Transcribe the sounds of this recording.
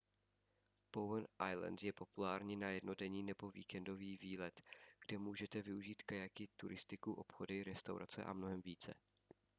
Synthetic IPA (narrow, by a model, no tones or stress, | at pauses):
powənʔajlɛ̰nt̪jɛpo̞pulaːɾɲiːnajɛdno̞dɛɲiːnɛbo̞vḭːkɛndo̞viːviːlɛt̪ɡ̥dɛmuːʒɛt̪ɛvɪuʒiːt̪kajakɪt̪uɾʔɪst̪ɪkuʔo̞pxo̞dɪɾɛst̪awɾʔa̰t͡sɛ̰ʔa̰mnoɦɛmviːt͡sɛ̰